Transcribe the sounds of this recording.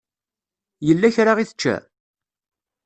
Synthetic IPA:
jəlːæçɾaʁiθə̥t͡ʃːæ̰

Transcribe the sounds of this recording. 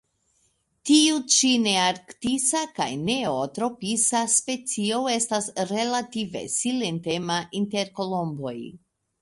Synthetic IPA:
tiut͡ʃine̞aɾktisaka̰jne̞otɾo̞pisaspe̞t͡sio̞e̞stasɾe̞lative̞̰sile̞nte̞maʔinte̞ɾko̞lo̞mbo̞j

